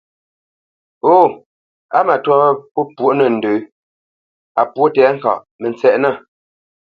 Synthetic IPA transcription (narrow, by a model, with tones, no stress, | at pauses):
o˦˨ | a˦ma˨twɔ˦pu˦pwo˦ʔnə˨n̩˨dʉ˨˦ | a˨pwo˦tɛː˨˦ŋ̩˨ka̰˨ʔ | mə˨nt͡sɛ˨ʔna˦˨